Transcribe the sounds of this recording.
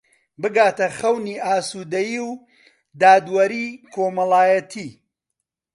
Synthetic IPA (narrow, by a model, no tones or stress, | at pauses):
bɨɡaːt̪ɐxɐwniːʔaːsuːd̪ɐjiw | d̪aːd̪wɐɾiːkʰoːmɐlˠaːjɐt̪ʰiː